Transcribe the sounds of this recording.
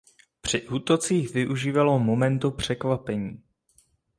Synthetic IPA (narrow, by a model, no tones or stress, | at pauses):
pr̝̥ɪʔuːt̪o̞t͡siːxvɪʔuʒiːvalomo̞mɛnt̪upr̝̥ɛkvapɛɲiː